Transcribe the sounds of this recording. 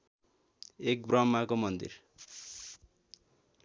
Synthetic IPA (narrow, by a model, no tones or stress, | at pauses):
ek̚brʌmːakomʌnd̪ḭr